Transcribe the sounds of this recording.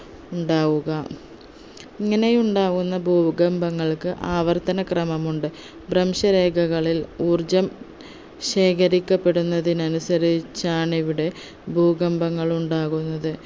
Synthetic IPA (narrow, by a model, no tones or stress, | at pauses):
uɳɖaːɣuɣɐ | iŋːɐne̞juɳɖaːɣunːɐbʱuːɡɐmbɐŋːɐɭkɨʔaːʋɐrt̪ɐnɐkrɐmɐmuɳɖɨ | brɐmʂɐɾe̞ːɡʱɐɣɐɭiluːrd͡ʑɐm | ɕe̞ːkɐɾikʲːɐpːe̞ɽunːɐðinɐnusɐɾit͡ɕːaːɳiʋuɽe̞ | bʱuːɡɐmbɐŋːɐɭuɳɖaːɣunːɐðɨ